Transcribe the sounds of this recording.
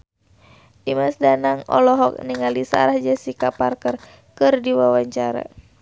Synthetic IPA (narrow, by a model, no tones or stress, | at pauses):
ʔimasdanaŋɔ̰lɔɦɔk̚niŋalisa̰ɾahd͡ʒɛsikaparkər | kɨrdiwawaɲt͡ʃaɾa̰